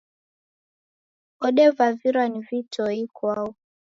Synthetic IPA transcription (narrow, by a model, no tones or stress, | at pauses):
ɔɗɛvaviɾwanivitɔikwau